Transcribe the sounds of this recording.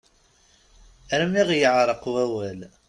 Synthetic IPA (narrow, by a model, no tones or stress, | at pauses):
ɾəmiʁjəʕɾˤəqwæwæl